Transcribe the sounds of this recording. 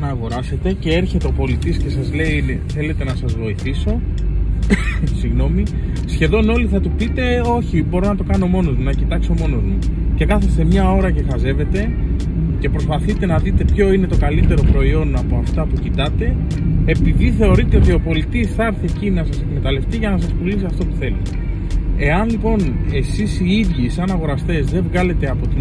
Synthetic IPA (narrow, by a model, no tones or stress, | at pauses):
nɐːɣo̞ɾɐse̞t̪e̞ce̞e̞ɾçe̞t̪e̞o̞po̞lit̪isce̞sɐzle̞in | θe̞le̞t̪e̞nɐsɐzvo̞iθiso̞ | siɣno̞mi | sçe̞ðo̞no̞liθɐt̪upit̪e̞o̞çibo̞ɾo̞nɐt̪o̞kɐno̞mo̞no̞zmunɐcit̪ɐkso̞mo̞no̞zmu | ce̞kɐθest̪e̞mɲɐo̞ɾɐce̞xɐze̞ve̞t̪e̞ | ce̞pɾo̞spɐθit̪e̞nɐðit̪e̞pço̞ine̞t̪o̞kɐlit̪e̞ɾo̞pɾo̞io̞nɐpo̞ɐft̪ɐpucit̪ɐt̪e̞ː | piðiθe̞o̞ɾit̪e̞o̞t̪io̞po̞lit̪isθɐɾθiecinɐsɐse̞kme̞t̪ɐle̞ft̪iʝɐnɐs̬ɐspulisiɐft̪o̞pu̥θelit̪e | e̞ɐnlipo̞ne̞sisiiðʝisɐnɐɣo̞ɾɐst̪e̞zðe̞vɣɐle̞t̪e̞ɐpo̞t̪i